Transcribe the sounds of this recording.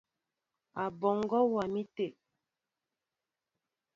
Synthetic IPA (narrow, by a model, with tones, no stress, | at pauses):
a˨bɔ˨ŋ˦ɡɔ˦wa˨mi˦te˦˨ʔ